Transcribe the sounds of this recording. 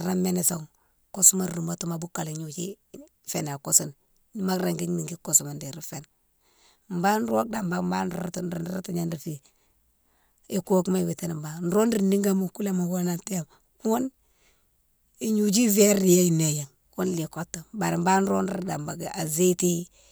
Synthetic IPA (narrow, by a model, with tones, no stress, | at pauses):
ɾa˦me˦ni˨so˨ŋ | ko˦su˦ma˦ɾu˨mo˦tu˦ma˨bu˦kːa˨li˨ɲu˨d͡ʒi˦ | fe˨na˨ko˦si˨n | ma˦kɾe˨ŋɡi˦ɲ˦ni˨ŋɡi˦ko˨su˨ma˨ndi˨ɾi˦fe˦n | mba˦n˦ɾo˦k̚da˨mba˨mba˦nɾtɾn˦ta˨ɲa˦ni˨fi˨ | e˦ko˦kma˦˨wi˨ti˦ni˨mba˨n̩˦ɾo˦ndi˨ni˦ŋɡa˦mu˦ku˦le˦ma˨wo˦na˦te˦a˨m | wo˦n | i˨ɲu˨d͡ʒi˦ve˦ɾi˦je˦i˨ne˨ja˨ŋ | wo˦n˦li˨ko˦tːo˨ba˨ɾi˨mba˦n˦ɾo˦ndi˦da˨mba˨ɡa˨ze˦ti˦